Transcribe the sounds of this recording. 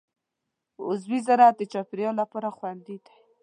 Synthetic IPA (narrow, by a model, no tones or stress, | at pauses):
ʊzwizaɾat̪d̪ət͡ʃɑpɪɾjɑlapɑɾaxwand̪id̪ḁ